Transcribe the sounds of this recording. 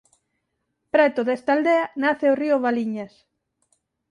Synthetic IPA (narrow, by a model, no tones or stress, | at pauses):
pɾɛt̪ʊðɛst̪ald̪eanaθeoriʊβaliɲas